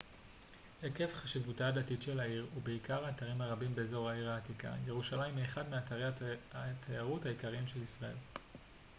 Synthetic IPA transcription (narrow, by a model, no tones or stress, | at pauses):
heke̞fχaʃivutadatitʃelaiʁubeikaʁhaːtaʁimhaʁabimbezo̞ʁaiʁaːtika̰je̞ʁuʃalajmeχadmeaʁatʰajaʁuthaikaʁiimʃe̞lisʁae̞̰l